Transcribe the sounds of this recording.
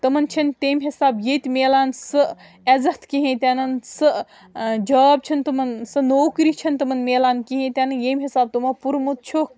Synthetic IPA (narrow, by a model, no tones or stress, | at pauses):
t̪ɐmɐnt͡ʃʰɐnt̪eːmɦesaːbjet̪meːlaːnsɨ | ezɐt̪kiɦẽt̪eːnɐnsɨ | d͡ʒɐːb̚t͡ʃʰɐnt̪ɐmɐnsɐnoːkɾit͡ʃʰɐnt̪ɐmɐnmeːlaːnkiɦẽt̪enɐnjeːmɦesaːb̚t̪umɐpuɾmut̪̚t͡ʃʰok